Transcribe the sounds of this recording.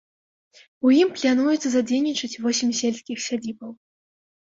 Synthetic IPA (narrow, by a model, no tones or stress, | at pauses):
ujimplʲanujut̪sɐzad͡zʲejnʲit͡ʂɨt͡sʲvɔsʲimʲsʲelʲsʲkʲixsʲad͡zʲibɐw